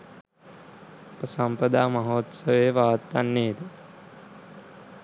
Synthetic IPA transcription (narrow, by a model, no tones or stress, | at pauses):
pəsampəd̪aːmɐɦoːt̪sɐʋeːʋaːt̪ːanːeːd̪ə